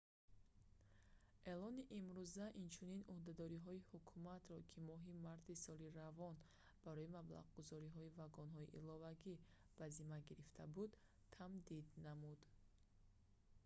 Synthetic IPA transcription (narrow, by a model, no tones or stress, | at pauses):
ʔe̞lɔniʔimɾuzaʔint͡ʃʰuninuhd̪ad̪ɔɾiɦɔihukʰumat̪ɾɔkʰimɔɦimaɾt̪ʰisɔliɾavɔn | b̥aɾɔimabla̰ʁɡuzɔɾiɦɔivaɡɔnɦɔiʔḭlɔvaɡi | b̥azimaɡiɾift̪ʰabud̪ | t̪ʰamd̪id̪namud̪